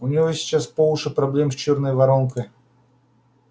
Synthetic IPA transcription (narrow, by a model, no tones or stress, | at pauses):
ʊnʲɪjosʲi̥t͡ɕaspovˠʊʂɨpɾɐblʲemsʲt͡ɕɔrnəjvɐɾonkəj